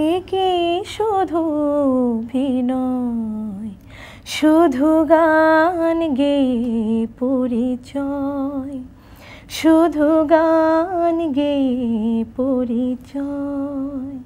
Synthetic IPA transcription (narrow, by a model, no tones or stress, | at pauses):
kiʃud̪ʱu | bʱinɔ | j | ʃud̪ʱuɡa | nɡejpoɾit͡ɕɔj | ʃud̪ʱuɡanɡejpoɾit͡ɕɔ | j